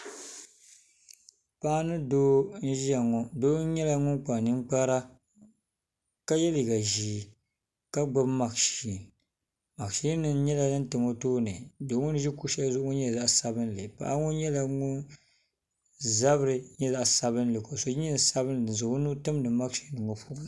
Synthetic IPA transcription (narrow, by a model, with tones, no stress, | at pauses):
pa˦nɨ˦doː˦n̩˦ʒi˦a˨ŋɔ˨doː˦ɲɛ˦la˨ŋʊ˦nk͡pa˨nɨ˦ŋ͡mk͡pa˦ɾa˦ | ka˦jɛ˦li˨ɡa˨ʒiː˨ | ka˦ɡ͡ba˦bma˨ɡʃi˨n | ma˨ɡʃi˦nɨ˨n˦ɲɛ˦la˨nɨ˦n˦tɨ˨mo˦toː˦nɨ˨do˨˦ŋʊ˦n˦ʒi˦ku˦ʃɛ˦lzʊ˦ʔŋʊ˦ɲɛ˦za˦ʔsa˦bɨ˦n˦lɨ˨pa̰˨ʔa˦ŋɔ˦ɲɛ˦la˨ŋʊ˦n | za˦bɨ˦ɾɨ˨ɲɛ˦za˨ʔsa˨βɨ˦nlɨ˨ko˨so˨˦i˦n˨sa˦bɨ˦n˨ɨ˨n˨zɨ˨ɡʊ˦nu˦tɨ˦m˦nɨ˨˦ma˦kʃi˦nɨ˨ŋo˨pu˦˨